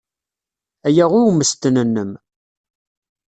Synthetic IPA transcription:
æjæʁʊɾməst̪ənənːəm

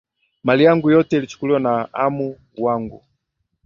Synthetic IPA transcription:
malijaŋɡujɔtɛilit͡ʃu̥kuliwanaamu | waŋɡṵ

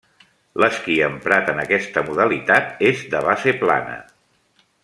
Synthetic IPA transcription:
ləskiəmpɾat̪ənəkɛst̪əmuðəlit̪at̪ezd̪əβasepla̰nə̰

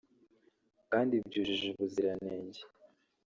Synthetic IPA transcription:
kaːndib̚ɟuːʒiʒuβuziɾaneːɲɟe

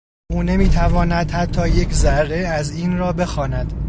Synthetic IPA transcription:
ʔuːne̞miːt̪ʰævɒːnæd̪̥hæt̪ʰːɒːje̞cʰzæɾːe̞æziːnrɒːbe̞xɒːnæd̪̥

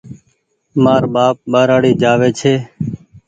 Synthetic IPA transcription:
maːɾɓaːp̚ɓaːɾaːɽiːd͡ʒaːʋeːt͡ʃʰeː

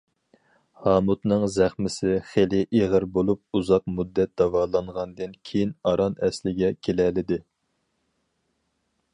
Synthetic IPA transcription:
hɑːmut̪nɨŋzæχmɪsɪχelɪʔeʁəɾbolˠup̚uzɑq̚mud̪ːɛt̪̚d̪ɑvɑːlˠɑɴʁɑnd̪ɨnkʲʰejinɑɾɑnɛslɪɡʲɛkʲʰelɛlɪd̪ɪ

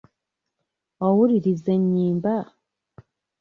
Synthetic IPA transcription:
wowuɾiɾizeɲiːmba

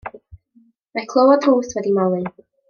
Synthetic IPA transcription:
makʰlˠowɔdruːswɛdimawˠɨ

